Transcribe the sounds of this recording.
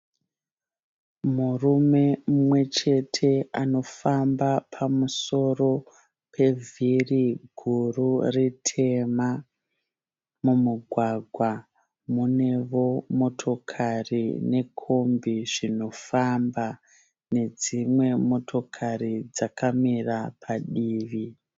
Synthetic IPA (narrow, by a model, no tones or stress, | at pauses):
murume̞umwe̞t͡ʃe̞tʰe̞ano̞fambapʰamuso̞ro̞ | pʰe̞vʱiriɡʱururitʰe̞ma | mumuɡʱwaɡʱwa | mune̞ʋo̞mo̞tʰo̞kʰarine̞kʰombiʐino̞famba | ne̞d͡zimwe̞mo̞tʰo̞kʰaɾid͡zakʰamirapʰaɗiːʋi